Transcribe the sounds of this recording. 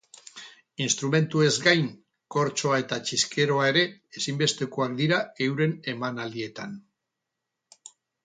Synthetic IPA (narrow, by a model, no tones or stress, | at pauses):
inst̪ɾume̞nt̪ue̞zɡajŋ | ko̞ɾt͡ʃo̞ae̞t̪at͡ʃiske̞ɾo̞ae̞ɾe̞esimbe̞st̪e̞koakd̪iɾaewɾe̞ne̞manald̪ie̞t̪an